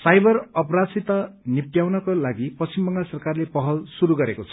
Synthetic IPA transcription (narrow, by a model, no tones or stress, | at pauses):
sajbʌrʌpʌɾasit̪ʌnipʈjawnʌkolaɡipʌst͡st͡ɕimbʌŋɡasʌrkarlepʌɦʌlsuɾuɡʌɾekot͡sʰʌ̥